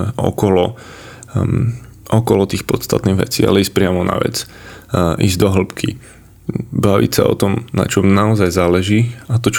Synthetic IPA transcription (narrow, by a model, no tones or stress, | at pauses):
ʔɔ̰kɔlɔ | ʔɔkɔlɔt̪iːxpɔt̪st̪at̪niːɣʋɛ̰t͡siːa̰lɛiːs̚pɾɪamɔna̰ʋɛ̰t͡s | ʔḭːzd̪ɔɦl̩pkʰi | baʋḭcsa̰ɔ̰t̪ɔmna̰t͡ʃɔmnaɔzajzaːlɛʒiːat̪ɔt͡ʃ